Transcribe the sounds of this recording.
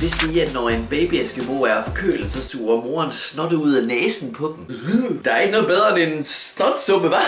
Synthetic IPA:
ʋe̝sd̥eiæd̥nɒenb̥ɛːb̥iæsɡ̥əmo̝̰ːæɐfɒkʰø̰ːl̩sɐsd̥ṵːɐmo̝ːɐnsnɔ̽d̥əuð̞̰ˠænɛːsn̩pʰɒ̽d̥em̩ | d̥ɑ̈æɐe̝ɡ̥nɔð̩ˠbeð̞ˠʁɐenensnɒd̥sɔb̥əʋɑ̈

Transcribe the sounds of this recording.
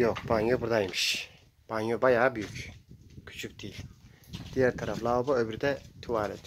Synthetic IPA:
joqbaŋjobuɾd̪ajmɯʃ | b̥aŋjobajaːbyjykʲkʰy̥t͡ʃʰyk̚ʲd̪̥iilʲ | d̪̥ijæɾt̪ʰaɾaflˠaubaøbyɾd̪ɛt̪ʰuwaːɾɛt̪

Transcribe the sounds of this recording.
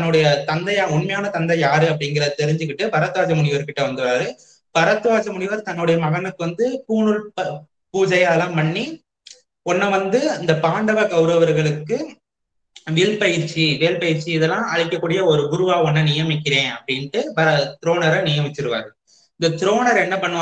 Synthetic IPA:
t̪ɐnːɯɽɐjɐt̪ɐnd̪ɐjaːʊɳmɐjaːnɐt̪ɐnd̪ɐjaːɾɯɐpːɐɽɪŋɡɪɾɐðɯt̪ɛɾɪɲd͡ʒɯk̬ːɪʈːɯpɐɾɐt̪ːɯʋaːd͡ʒɐmʊɳɪʋɐɾkɪʈːɐʋɐnd̪ɯʋaːɾɯ | b̥ɐɾɐt̪ːɯʋaːd͡ʒɐmʊɳɪʋɐɾt̪ɐnːɯɽɐjɐmɐɣɐnɯkːɯʋɐnd̪ɯpuːnɯɭɐ | puːd͡ʒɐjɐlãːmpɐɳːi | ɔnːɐʋɐnd̪ɯɪnd̪ɐpaːɳɖɐʋɐɡɐʊɾɐʋɐɾɣɐɭɯkːɯ | ʋɪɭpɐjɪɾt͡ʃiʋeːlpɐjɪɾt͡ʃːiɪðɛlːãːʔɐɻɪkːɐkːuːɽɪjɐɔɾɯbʊɾɯʋaːɔnːɐnɪjɐmɪk̬ʲːɪɾẽːɐpːɐɽɪnʈːɯbɐɾɐt̪ɪɾoːnɐɾɐnɪjɐmɪt͡ʃːɪɾɯʋa̰ːɾɯ | ɪnd̪ɐt̪ɪɾoːnɐɾɛnːɐpɐɳːɯʋ

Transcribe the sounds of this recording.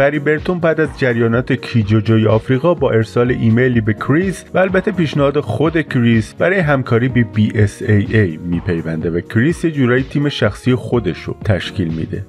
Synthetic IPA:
ɣæɾiːbe̞ɾt̪ʰombæd̪æzd͡ʒæɾjɒːnɒːt̪ʰe̞cʰid͡ʒod͡ʒɒːjeɒːfɾiːɣɒːbɒːʔe̞ɾsɒːleʔiːmejlibe̞kʰɾizvæːlbæt̪ʰːe̞piːʃnehɒːd̪exo̞d̪e̞kʰɾizbæɾɒːjeɦæmkʰɒːɾiːbebiːʔesejejmiːpʰe̞jvænd̪e̞vækʰɾisje̞d͡ʒuːɾɒːjit̪ʰiːme̞ʃæxsiːje̞xo̞d̪e̞ʃo̰t̪ʰæʃcʰiːlmḭːd̪e̞̰

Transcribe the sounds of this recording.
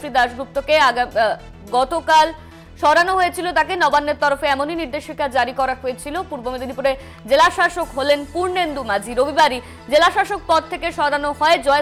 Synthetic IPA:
ɾid̪aʃɡɾup̚t̪okeaɡ | ɡɔt̪okal | ʃɔɾanoɦojet͡ɕʰilot̪akenɔbanːeɾt̪ɔɾofeɛmoniniɾd̪eʃikad͡ʑaɾikɔɾaɦoet͡ɕʰilopuɾbomed̪inipuɾe | d͡ʑelaʃaʃokɦolenpuɾnend̪umad͡ʑʱiɾobibaɾi | d͡ʑelaʃaʃok̚pɔd̪̚t̪ʰːekeʃɔɾanoɦɔed͡ʑɔe

